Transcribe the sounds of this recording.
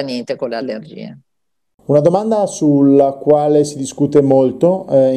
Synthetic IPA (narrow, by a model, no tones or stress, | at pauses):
aniːt̪ekolealːerd͡ʒḭːḛ | unad̪omand̪asulːakwaːlesid̪iskut̪emolt̪o